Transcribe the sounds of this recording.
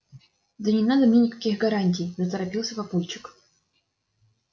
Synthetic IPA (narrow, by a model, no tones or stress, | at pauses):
d̪ənʲɪnad̪əmnʲenʲɪkɐ̥kʲixɡɐɾanʲt̬ʲɪjzət̪əɾɐpʲilˠsʲəvɐpulʲt͡ɕɪ̥k